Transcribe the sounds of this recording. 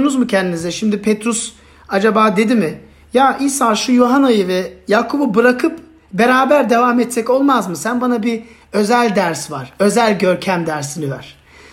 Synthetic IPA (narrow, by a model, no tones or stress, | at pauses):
nuzmucʰɛnd̪inizɛʃimd̪ipʰɛt̪ɾus | ad͡ʒabaːd̪e̞d̪imɪ | jaːʔisaːʃujoɦanajɯvɛjaːkʰububɯɾakʰɯp | be̞ɾaːbæɾd̪e̞vamɛt̪sɛco̞lˠmazmɯsænbanabi | ø̞zælʲd̪æɾsvaɾ̥ø̞zælʲɟø̞ɾcʰæmd̪æɾsinivæ̰ɾ̥